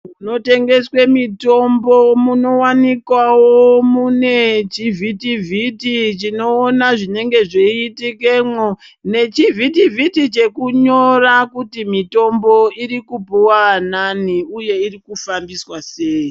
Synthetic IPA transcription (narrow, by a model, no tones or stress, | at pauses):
muno̞te̞ŋɡe̞swemito̞mbo̞muno̞wanikwawomune̞t͡ʃivʱitivʱitit͡ʃino̞ːnaʐine̞ŋɡe̞ʐiitikemwo | ne̞t͡ʃivitivitit͡ʃe̞kuɲo̞rakutimito̞mbo̞iɾikupuwananiuje̞irikufambiswase̞ːji